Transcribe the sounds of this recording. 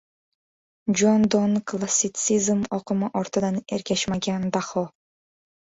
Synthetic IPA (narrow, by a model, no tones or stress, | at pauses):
d͡ʒond̪onklˠasʲit̪sɨzmɔqɨmɯʔɔɾt̪ɔd̪ɑneɾkʲɛʃmæɡʲɛnd̪aχɔ